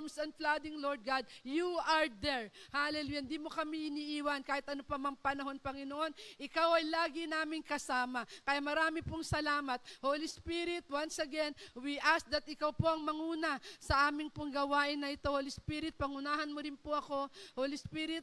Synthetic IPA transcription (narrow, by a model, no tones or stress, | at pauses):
msɐnd̪flad̪ɪŋloɹd̪̚ɡad̪̚juɐɹd̪ɛɹhaʔɐlɛluːjand̪iːmokɐmiʔɪniʔiːwɐnkaːhɪt̪ʔɐnopɐmɐŋpɐnɐɦo̞npɐŋɪnoʔo̞nʔɪkawɐjlaːɡɪnaːmɪŋkɐsaːmɐkɐjamɐɾaːmɪpoŋsɐlaːmɐt̪̚hoːlispiɾɪt̪̚wansɐɡɛnwiʔasd̪ɐt̪̚ʔɪkɐwpo̞ʔɐŋmɐŋuːnɐsɐʔaːmɪŋpoŋɡɐwaːʔɪnːɐʔɪt̪o̞hoːlispiɾɪt̪̚pɐŋʊnaːɦɐnmoɾɪnpoʔɐko̞hoːlispiɾɪt̪̚